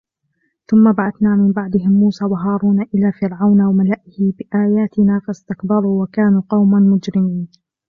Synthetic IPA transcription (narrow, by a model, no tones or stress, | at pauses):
θʊmːabaʕaθnaːmɪmbaʕd̪ɪɦɪmːuːsaːwaɦɑːɾˤuːnaʔɪlaːfɪɾʕawnawamalaʔɪhɪbɪʔaːjaːt̪ɪnaːfast̪ɪkbɑɾˤuwakaːnuːqɑwmamʊd͡ʒɾɪmiːn